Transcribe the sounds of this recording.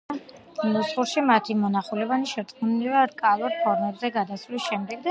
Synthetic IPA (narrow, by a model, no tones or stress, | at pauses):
musχuɾʃimat̪ʰimɔnaχulɛvaniʃɛɾt̪ʼkunivaɾkʼalˠuɾpʰɔɾmɛbzɛɡad̪asvlisʃɛmd̪ɛɡd̪a